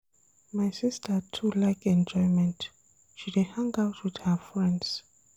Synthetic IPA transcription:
majsistʰətʰulajkʰɛ̃nd͡ʒɔjmɛ̃nt | ʃidehãŋawtʰwið̥həfɹɛ̃nds

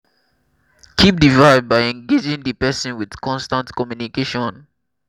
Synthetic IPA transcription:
kʰip̚divaɪvd̚baɪɛ̃ŋɡed͡ʒĩŋdəpɛsɔ̃nwið̥kʰɔ̃nstãntkɔmjunikeʃɔ̃n

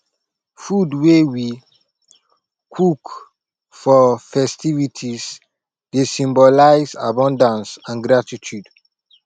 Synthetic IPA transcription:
fudwewi | kʰuk | fɔfɛstivitʰis | desĩmbɔlaɪza̰bɔ̃ndãnsãnɡɾatitʰjud

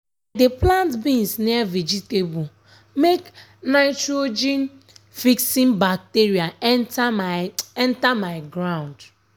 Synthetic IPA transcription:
adeplãntbĩnsnɛavid͡ʒitebu | mek | naɪtɾod͡ʒĩn | fiksĩmbak̚teɾiaɛntaɛ̃ntamaɪɡɾãʊ̃nd

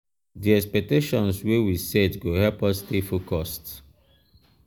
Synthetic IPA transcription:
diɛkspɛk̚teʃɔ̃nswewisɛtɡohɛlpɔstifokɔst

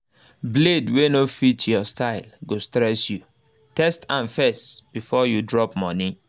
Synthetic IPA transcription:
bledwenofitjɔstaɪlɡostɾɛsju | tɛstãnfɛsb̥ifɔjudɹɔpmɔ̃nĩ

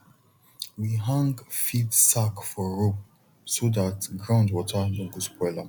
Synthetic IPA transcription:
wiɦãŋɡfidsakfɔɹop̚ | soðatɡɹãʊ̃ndwɔtʰədɔ̃ŋɡuspɔɪla

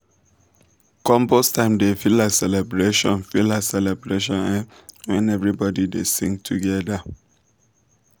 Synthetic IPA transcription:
kɔ̃mbɔstʰãɪ̃mdefilasɛlɛbɹeʃɔ̰̃nfilasɛlɛbɹeʃɔ̃nãwɛ̃nɛvɹibɔdidḛsḭ̃ŋɡtʰuɡɛda

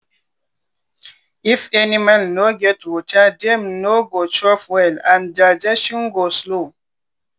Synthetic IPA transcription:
ifɛnimãnːoɡɛtwɔtʰadɛ̃mnoɡot͡ʃɹɔfwɛlãndad͡ʒɛʃɔ̃nɡoslo

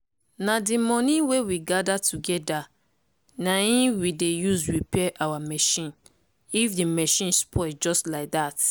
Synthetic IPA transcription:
nadimɔ̃nĩwewiɡadatʰuɡɛda | naĩwidejusɹipɛʔawamɛʃĩn | ifdimɛʃĩnspʰɔd͡ʒɔstlaɪk̚dat

